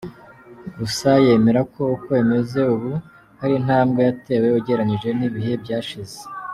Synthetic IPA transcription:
ɡusaje̞me̞ɾako̞ukwe̞me̞ze̞uβu | haɾin̥aːmɡejate̞ːwe̞uɟe̞ɾaɲiʒe̞niβihe̞bɟaːʃize̥

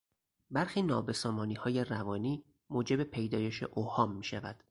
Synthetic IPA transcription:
bæɾxiːnɒ̰ːbe̞sɒːmɒːniːhɒːje̞rævɒːniː | moːd͡ʒe̞be̞pʰe̞jd̪ɒːje̞ʃe̞̰ʔohɒːmːiːʃævæd̪̥

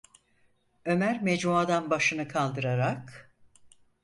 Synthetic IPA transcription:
ø̞mæɾmɛd͡ʒmuad̪anbaʃɯnɯkʰalˠd̪ɯɾaɾak

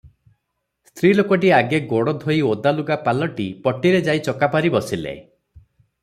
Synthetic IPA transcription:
st̪ʰɾilokɔʈiaɡeɡoɽɔd̪ʱojod̪aluɡapalɔʈipɔʈːiɾed͡ʒajt͡ʃɔkapaɾibɔsilḛ

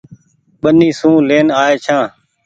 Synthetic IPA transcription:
ɓəniːsũːleːnaːeːt͡ʃʰãː

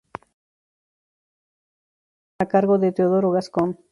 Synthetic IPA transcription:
akaɾɣoðet̪eoðoɾoɣaskon

